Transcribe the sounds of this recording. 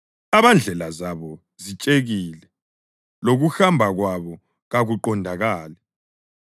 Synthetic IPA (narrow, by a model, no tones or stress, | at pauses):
aβand͡ɮʱɛlazaβɔ | zit͡ʃʼeɣiːlɛ | loɣuxambʱaɣwaβɔ | ɣaɣuǃɔndʱaɣaːlɛ